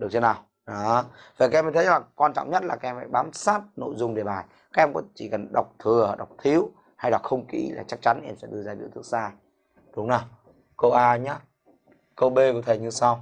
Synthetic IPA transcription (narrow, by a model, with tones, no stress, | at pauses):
ɗɨ˨˩ək̚t͡ɕe˧nːaː˨˩w | ɗɔ˨˦və˨˩kaː˨˧ɛ˧mː˨˩t̪ʰa˨˩kwaː˧nt͡ɕɔ̰˧˨wŋ͡mɲə˦˥t̚laː˨˩kaː˦˥ʔɛ˧fa̰ː˧˥jɓaː˨˦msaː˦˥t̚no̰˧˨jzʊ˧ŋ͡mɗe˨˩ɓaː˨˩j | kaː˦˥k̚ʔɛ˧mkɔ̰˧˥t͡ɕi˧˩kə˨˩nɗa˨˩wk͡p̚t̪ʰɨ˨˩əɗa˨˩wk͡p̚t̪ʰi˨˦əw | ha˧jɗa˨˩k̚xə˧wŋ͡mkḭ˧˥la̰ː˨˩t͡ɕa˦˥k̚t͡ɕa˨˦nʔɛ̰˧msɛ̰˧˥ɗɨ˧əzaː˧ḭ˧˨t̪ɨ˦˥ək̚saː˧ | ɗʊ˨˦ŋ͡mna˨˩w | kə˧wʔaː˧ɲaː˨˦˥ | kə˧wɓe˧ku˧˩ət̪ʰjɲɨ˧sa˧w